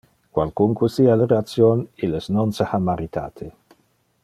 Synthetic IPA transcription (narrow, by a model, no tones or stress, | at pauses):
kwalkuŋkusialeɾeat̪sjoniləsnonsaxamaɾit̪a̰ːt̪ʰe